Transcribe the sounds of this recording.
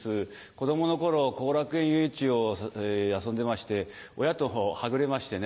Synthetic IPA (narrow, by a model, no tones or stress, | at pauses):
sɨ | ko̞d̪o̞mo̞no̞ko̞ɾo̞ko̞ːɾakɯ̟ẽ̞ɰ̃jɯ̟it͡ɕio̞ | asõ̞nd̪e̞maɕi̥t̪e̞ | o̞jat̪o̞ɦohaɡɯ̟ɾe̞maɕi̥t̪e̞n